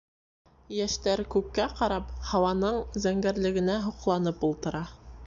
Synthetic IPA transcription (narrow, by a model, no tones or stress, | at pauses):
jæʃt̪æɾkʉkːæqɑɾɑphɑwɑnɤɴzæŋɡæɾlɘ̆ɡɘ̆næɦuqlˠɑn̪ɤpulˠt̪ɤ̆ɾɑ